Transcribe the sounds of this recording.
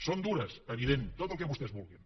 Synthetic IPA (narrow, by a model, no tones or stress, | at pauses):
sond̪uɾɐseβiðent̪ot̪əlˠkeβust̪ezβulˠɣin